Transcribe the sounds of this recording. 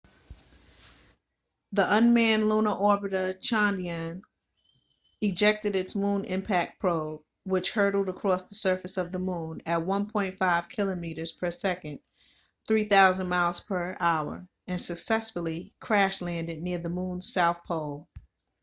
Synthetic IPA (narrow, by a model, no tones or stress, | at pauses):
ðiʔʌ̃nmæ̃nlunəʔɔɹbɨɾət͡ʃʰɑ̃ndiɨ̃n | ɨd͡ʒɛk̚tɨɾɨtsmũnɪ̰̃mpʰæk̚pʰɹ̥oʊ | wɨt͡ʃhɜ˞ɾl̩ˠdəkʰɹ̥ɔsðəsɜ˞fɨsʌvðəmũnɨt̚wʌ̃npʰɔ̃ɪ̃ntfaɪv̥kʰɪlˠəmiɾə˞z̥pʰə˞sɛkɨ̃n | θɹiθaʊzə̃nmaɪlˠz̥pʰə˞ʔaʊə̰˞ | ɨ̃nsɨksɛsfl̩ˠikʰɹ̥æʃlæ̃ndɨdⁿnɪɹðəmũn̥saʊθpʰoʊlˠ